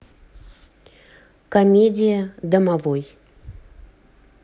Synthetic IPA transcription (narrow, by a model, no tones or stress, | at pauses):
kɐmʲedʲijəd̪əmavoj